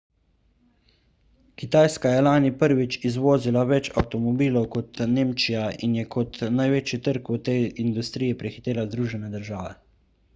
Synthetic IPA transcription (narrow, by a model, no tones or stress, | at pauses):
kit̪aːjskajɛlaːnipəɾʋit͡ʃizʋoːzilaʋɛt͡ʃa̰wt̪ɔmɔbiːlɔwkɔt̪neːmt͡ʃijainjɛkʰɔt̪najʋeːt͡ʃjit̪əɾkut̪ejind̪ust̪ɾijɛpɾixi̥t̪eːlazd̪ɾuːʒɛnɛd̪əɾʒaːʋɛ̰